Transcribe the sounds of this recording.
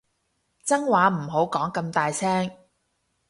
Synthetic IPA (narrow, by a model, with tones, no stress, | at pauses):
t͡sɐ˥ŋwaː˨˧˥m̩˨˩ɦo˨˥wkɔː˨˥ŋkɐ˧mt̪aː˨jt͡sʰɛː˥ŋ